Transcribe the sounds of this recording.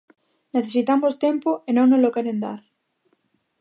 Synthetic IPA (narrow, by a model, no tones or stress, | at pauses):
neθesit̪amost̪empoenõŋnolokeɾend̪a̰ɾ